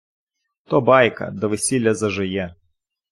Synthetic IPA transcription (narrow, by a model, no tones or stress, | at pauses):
t̪ɔbɑjkɐ̰d̪ɔʋɪsʲilʲːɐzɐʒɪjɛ